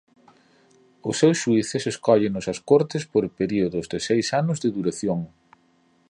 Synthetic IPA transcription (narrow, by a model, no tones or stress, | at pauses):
ʊsːewsʃuiθɪseskɔʎɪnʊsɐskoɾt̪ɪspoɾpeɾioðʊzðɪsejsanʊzðɪðuɾaθjoŋ